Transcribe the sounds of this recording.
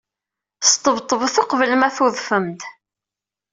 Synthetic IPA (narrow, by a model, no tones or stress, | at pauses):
st̪ˤːəvt̪ˤːəvθoqvəlmæθuðfəmt̪